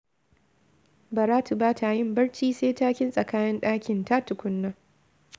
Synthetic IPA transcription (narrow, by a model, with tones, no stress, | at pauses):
bɐ˨ɾaː˦tu˨baː˦tʰa˨jɪ˦mbɐ˦ɽt͡ʃiː˦seː˦taː˦kʲɪ˦nsʼɐ˨kaː˦nɪ˦nɗaː˦kʲɪ˨nta˦tʊ˨kʷʊ˦nːa˦